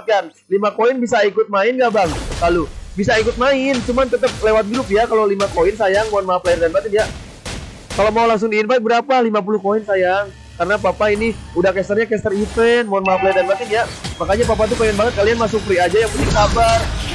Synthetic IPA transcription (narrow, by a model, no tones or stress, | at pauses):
kan | limakoɪnbis̬aikʊt̪̚maɪnɡabaŋlalubisaikʊt̪̚maɪnt͡ʃumant̪ət̪əp̚lewat̪̚ɡɾʊpjakalolimakoɪnsajaŋmonmaplardanbat̪indija | kalomaulaŋsʊŋdiːnfɛt̪̚bəɾapalimap̬ulʊhkoinsajaŋ | kaɾənapapainiudahkɛst̪ərɲakɛst̪ərifɛnmoanmaaplajɛrdanpat̪indijamakaɲapap̬at̪̬ukoinbaŋət̪̚kalianmasʊk̚pəɾiad͡ʒajaŋput̪ɪŋsabar